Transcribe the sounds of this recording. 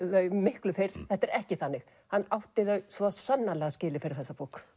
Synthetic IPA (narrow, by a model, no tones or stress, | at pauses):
ðœɥmɪhklʏfejɾ̥θɛht̪ːɛɾɛhcɪθanːɪx | hanːawht̪ɪðœɥsvɔsanːalɛɣascɪːlɪfɪɾɪɾ̥θɛsːapoːwk